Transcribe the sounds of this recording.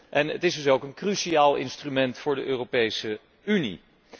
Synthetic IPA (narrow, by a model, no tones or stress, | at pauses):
ʔɛnə̰tɪsdɵsowkənkrysiaːlˠɪ̰nstrymɛntfʊːɹdəʔøːropejsə | ynḭ